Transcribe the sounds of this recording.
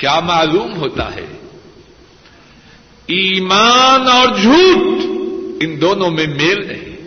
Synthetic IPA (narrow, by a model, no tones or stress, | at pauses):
kjaːmaːluːmɦoːt̪a̰ɦɛ̰ː | iːmaːnɔːɾd͡ʒʱuːʈ | ɪnd̪oːnõmẽmeːlnɐ̰ɦḭ̃